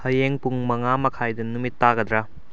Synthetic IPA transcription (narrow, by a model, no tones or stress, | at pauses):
hɐjeŋpuŋmɐŋamɐkʰajdɐnumitːaɡɐd̪ɾa